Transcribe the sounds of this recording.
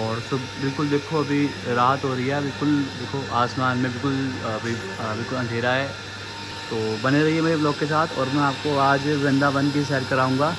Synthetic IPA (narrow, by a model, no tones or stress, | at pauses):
ɔːɾsɐbbɪlkʊld̪eːkʰoɐbʱiɾaːɦət̪ɦoːɾɐiɦɛbɪlkʊld̪eːkʰoʔaːsmaːnmẽbɪlkʊlɐbʱi | bɪlkʊlɐ̃ŋɡʱeːɾaɦɛː | t̪oːbɐneɾɐɦiɦɛmɛblɔːkkːes̬aːt̪ʰɔ̰ːɾmɛ̃aːp̚koaːd͡ʒʋɛ̃nd̪abɐ̃nkis̬ɛːɾkɐɾaːɦũːɡaː